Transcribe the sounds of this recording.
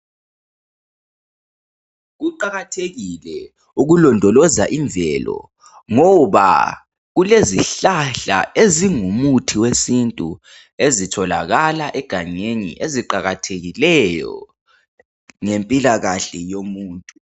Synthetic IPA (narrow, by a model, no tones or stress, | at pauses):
ɣuǃaɣatʰeɣilɛ | uɣulɔndʱɔlɔzaʔiɱvʱɛlɔ̰ | ŋɔβa̰ | ɣuleziɬaɬa̰eziŋumutʰiwesintʼu | ezitʰɔlaɣalaʔɛɡ̥ʱaɲeɲḭʔeziǃaɣatʰeɣilɛjɔ̰ | ŋempʼilaɣaɬɛjomuːntʼu